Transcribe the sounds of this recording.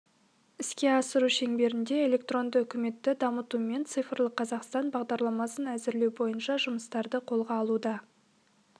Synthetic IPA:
ɪskʲe̞ɑsəɾuʃe̞ŋbe̞ɾɪnd̪e̞e̞lʲe̞k̚t̪ro̞nd̪əʏkʲɪme̞t̪ːɪd̪ɑmət̪ume̞nt̪sɨjfəɾlˠəqʰːɑzɑqst̪ɑnbɑʁd̪ɑɾlˠɑmɑsənæzɪɾlewbo̞jənʃɑʒʊməst̪ɑɾd̪əqʰo̞lˠʁɑːlˠud̪ɑ

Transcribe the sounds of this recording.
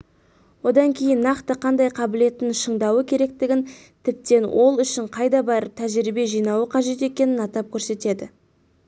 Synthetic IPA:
wo̞d̪ɑŋkʲʰe̞jɪnːɑqt̪əqʰɑnd̪ɑjqʰɑbɪle̞t̪ɪnʃəɴd̪ɑwəkʲʰe̞ɾe̞k̚t̪ɪɡʲɪn | t̪ʰɪp̚t̪e̞nwʔo̞lˠʏʃɪɴqʰɑjd̪ɑbɑɾəp̚t̪ʰæʒɪɾibe̞ʒijnɑwəqʰɑʒe̞t̪e̞kʲe̞nɪnɑt̪ɑp̚kʲʰɵɾse̞t̪e̞d̪ɪ

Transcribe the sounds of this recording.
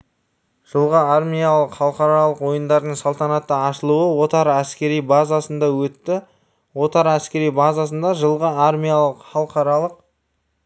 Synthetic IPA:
ʒ̥əlˠʁəarmʲijalˠəqχɑlˠqɑɾɑlˠəqwo̞jənd̪ɑɾd̪əɴsɑlˠt̪ɑnɑt̪ːəɑʃəlˠuəwo̞t̪ɑɾæskʲe̞ɾijbazasənd̪ɑwɵt̪ːɪ | wo̞t̪ɑɾæskʲe̞ɾijbɑzas̬ənd̪ɑʒəlˠʁəarmʲijalˠəqχɑlˠqɑɾɑlˠəq

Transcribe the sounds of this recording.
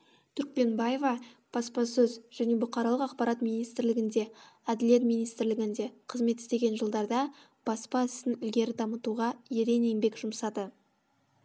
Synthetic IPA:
t̪ʰʏɾk̚pe̞nbaje̞vɑb̥ɑspɑsɵzʒ̥æne̞bʊqɑɾɑlˠəqɑqpɑɾɑt̪mijnijst̪ɪɾlɪɡʲɪnd̪e̞æd̪ɪlie̞t̪mijnijst̪ɪɾlɪɡʲɪnd̪e̞qʰəzme̞t̪ɪ̥st̪e̞ɡʲe̞nʒəlˠd̪ɑɾd̪ɑ | b̥ɑspɑɪst̪ɪnʏlɡʲe̞ɾɪd̪ɑmət̪uʁɑjeɾe̞neŋbe̞kʒ̥ʊmsɑd̪ə

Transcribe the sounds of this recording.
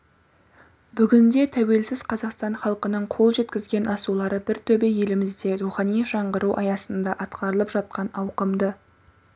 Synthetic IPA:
bʏɡʲɪnd̪e̞t̪ʰæwe̞lsɪzqʰɑzɑqst̪ɑɴχɑlˠqənəɴqʰo̞lˠʒe̞t̪kʲɪzɡʲe̞nʔɑsulˠɑɾəbɪɾt̪ʰɵbeje̞lɪmɪzd̪e̞ɾuχɑnijʒɑɴʁəɾuʔɑjɑsənd̪ɑʔɑt̪qɑɾəlˠəpʒɑt̪̚qɑnɑwqəmd̪ə

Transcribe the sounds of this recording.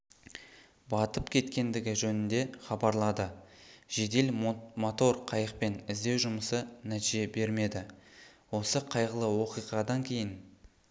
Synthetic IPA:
bɑt̪əpkʲʰe̞t̪kʲe̞nd̪ɪɡʲɪʒɵnɪnd̪e̞χɑbɑɾlˠɑd̪əʒ̥e̞d̪e̞lmot̪o̞rqʰɑjəqpe̞nɪzd̪e̞wʒʊməsənæt̪iʒe̞be̞ɾme̞d̪ɪwo̞səqʰɑjʁəlˠəwo̞qijʁɑd̪ɑŋkʲʰe̞jɪn

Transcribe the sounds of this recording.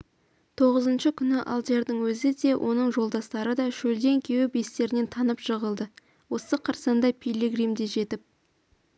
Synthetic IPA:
t̪ʰo̞ʁəzənʃəkʲʰʏnɪʔa̰lˠt̪e̞ɾd̪əŋwɵzɪd̪e̞wʔo̞nəɴʒo̞lˠd̪ɑst̪ɑɾəd̪ɑʃɵld̪e̞ŋkʲʰe̞wɪbe̞st̪e̞ɾɪne̞nt̪ʰɑnəpʃəʁəlˠd̪ə | wo̞səqʰɑɾsɑnd̪ɑjpʰʲijlʲeɡrijmd̪eʒe̞t̪ɪp̚

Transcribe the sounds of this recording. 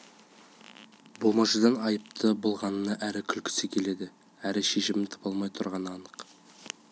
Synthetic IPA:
bolˠmɑʒəd̪ɑnɑjəp̚t̪ʰəbolˠʁɑnənɑʔæɾɪkʲʰʏlkʲʰɪ̥sɪkʲʰe̞le̞d̪ɪ | æɾɪʃe̞ʃɪmɪnt̪ʰɑ̥pɑlˠmɑjt̪ʰʊɾʁɑnɑnəq

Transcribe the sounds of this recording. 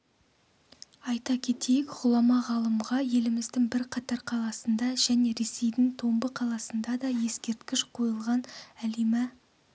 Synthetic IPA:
ɑjt̪ɑkʲʰe̞t̪e̞jɪkʁ̥ʊlˠɑmɑʁɑlˠəmʁɑje̞lɪmɪzd̪ɪŋbɪɾqʰɑt̪ɑɾqʰɑlˠɑsənd̪ɑʒ̥æne̞ɾe̞se̞jd̪ɪŋt̪ʰo̞mbəqʰɑlˠɑsənd̪ɑd̪ɑje̞skʲe̞ɾt̪kʲɪʃqʰo̞jəlˠʁɑnælemæ

